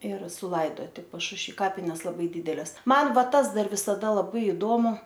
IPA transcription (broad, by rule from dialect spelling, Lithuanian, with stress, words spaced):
ɪr sʊˈlˠɐɪdoːtʲɪ pɐʃʊʃʲˈʋʲiː ˈkɑːpʲɪnʲɛs lˠɐˈbɐɪ ˈdʲiːdʲɛlʲɛs ˈmɐn ˈʋɐ ˈtɐs ˈdɐr ʋʲɪsɐˈdɐ lˠɐˈbɐɪ ɪˈdoːmʊ